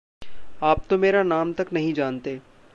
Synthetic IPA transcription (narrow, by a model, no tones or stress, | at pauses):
aːp̚t̪omeːɾanaːmt̪ɐknɐɦĩd͡ʒaːnt̪eː